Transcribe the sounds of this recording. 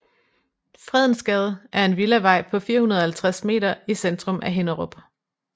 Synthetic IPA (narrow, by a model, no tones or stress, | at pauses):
fʁɛð̞̰ˠn̩sɡ̥ɛːð̞ˠʔæɐe̝nʋilæʋɑ̈ɪ̰pʰɒ̽fiːɐhunɐðˠɐhælt͡sʰʁasme̝̰ːɾɐisend̥ʁɔ̽mʔæɦe̝nɐʁɔb̥